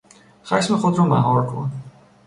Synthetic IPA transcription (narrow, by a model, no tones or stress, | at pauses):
χæʃmexod̪ɾɔmæ̰ɦɒːɾkʰo̰n